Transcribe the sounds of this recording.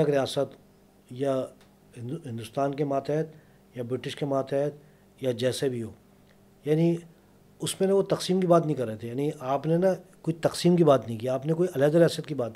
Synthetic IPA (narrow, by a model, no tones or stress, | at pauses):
ɐkɾijaːsət̪ | ja | ɦ̪ɦɪ̃nd̪ʊst̪aːnkemaːt̪ɛːt̪̚ʰ | jabɾɪʈɪʃkemaːt̪ʰɛt̪ʰ | jad͡ʒɛːsebʱiɦoː | jaːni | ʊsmẽnɐʋot̪ɐqsiːmkibaːt̪̬nɐɦĩkɐɾːəɦet̪ʰejaːniʔaːpnenɐkoːit̪ɐqsiːmkibaːt̪nə̃ɦĩk̬iːaːpnekoːiʔɐlɛːd̪əɾijaːsət̪kibaːt̪n